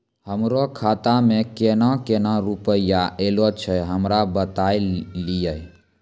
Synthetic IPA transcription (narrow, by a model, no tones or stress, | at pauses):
həmɾokʰat̪amekenakenaɾupəijaʔelot͡ʃʰəɦəmɾabət̪ajlijəj